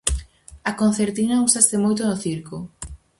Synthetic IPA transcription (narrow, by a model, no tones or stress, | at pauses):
ɐkon̟θeɾt̪inɐusast̪emojt̪onoθiɾko